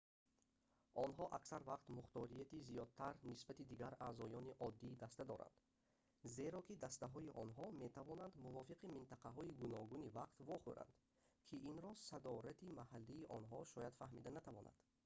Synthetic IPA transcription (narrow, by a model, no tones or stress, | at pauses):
ʔɔnɦɔʔaksaɾvaqt̪muχt̪ɔɾijat̪izijɔd̪̚t̪ʰaɾnisbat̪id̪iɡaɾaːzɔjɔniʔɔd̪ːiːd̪ast̪ad̪ɔɾa̰nd̪ | ze̞ɾɔkid̪ast̪aɦɔiʔɔnɦɔme̞t̪ʰavɔnand̪muvɔfiqimint̪ʰaqaɦɔiɡunɔɡunivaqt̪vɔχṵɾa̰nd̪ | kʰiʔinɾɔsad̪ɔɾat̪ʰimahalːiːʔɔnɦɔʃɔjad̪fahmḭd̪anat̪ʰavɔna̰d̪̥